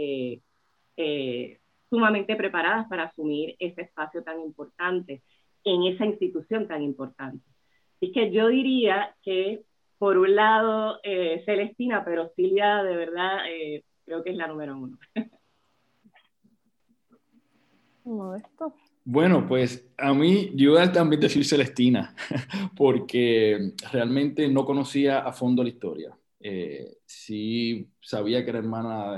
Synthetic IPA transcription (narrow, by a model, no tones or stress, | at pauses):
e | e | sumamẽnt̪e̞pɾe̞paɾaðaspaɾaːsumiɾe̞se̞eːspasjo̞t̪aŋimpo̞ɾt̪ant̪e̞ | eŋe̞sainst̪it̪usjo̞nt̪aŋimpo̞ɾt̪ant̪e̞ | sehke̞ʝo̞ðiɾiake̞ | po̞ɾunlaðo̞ese̞le̞st̪inape̞ɾosiljaðe̞β̞e̞ɾðae | kɾe̞okeeslanũme̞ɾoũno | komoðest̪o | bwe̞no̞pwe̞samĩdualt̪ambje̞nd̪e̞siɾse̞le̞st̪inapo̞ɾke̞re̞almẽnt̪e̞no̞ko̞no̞siaʔafo̞nd̪olaist̪o̞̰ɾja̰ | ḛsisaβiake̞ɾaeɾmãna